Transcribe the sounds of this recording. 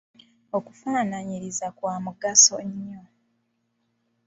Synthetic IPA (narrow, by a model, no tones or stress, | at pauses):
o̞ku̥faːnaɲiɾizakwaːmuɡasoɲːo̞